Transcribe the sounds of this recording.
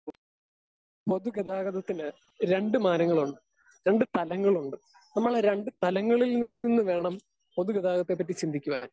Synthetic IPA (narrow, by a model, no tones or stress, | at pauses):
poðuɡeðaːɣɐðɐt̪ːinɨ | ɾe̞ɳɖɨmaːnɐŋːɐɭuɳɖɨ | ɾe̞ɳɖɨt̪ɐlɐŋːɐɭuɳɖɨ | nɐmːɐɭeɾe̞ɳɖɨt̪ɐlɐŋːɐɭilninːɨʋe̞ːɳɐm | po̞ðuɡeðaːɣɐt̪ːe̞p̬ːɐt̬ːit͡ɕind̪ʱikʲːuʋa̰ːn